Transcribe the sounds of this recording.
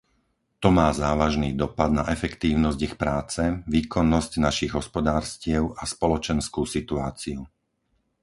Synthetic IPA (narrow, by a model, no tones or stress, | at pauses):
t̪ɔmaːzaːʋaʒniːd̪ɔpad̪̚naʔɛfɛkt̪iːʊnɔzɟixpɾaːt͡sɛʋiːkɔnːɔscnaʃiɣɦɔspɔd̪aːɾscɪɛʊʔaspɔlɔt͡ʃɛnskuːsit̪uaːt͡siu